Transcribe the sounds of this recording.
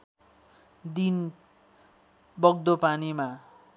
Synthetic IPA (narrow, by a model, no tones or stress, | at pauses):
d̪in | bʌɡ̚d̪opanima